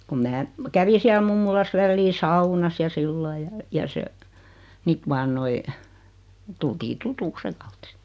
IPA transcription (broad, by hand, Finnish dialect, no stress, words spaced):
kum mæː kæʋi siæl mumːulɑs ʋælːiː sɑunɑs jɑ silːɑi jɑ jɑ se s̆it ʋɑːn noi tultiː tutuks seŋ̆ kɑut si̥ːt